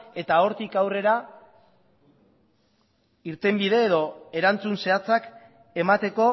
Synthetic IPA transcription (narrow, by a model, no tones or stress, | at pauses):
e̞t̪ao̞ɾt̪ikawre̞ɾa | iɾt̪e̞mbið̞e̞ːðo̞e̞ɾant͡sunse̞at͡sak | e̞mat̪e̞ko̞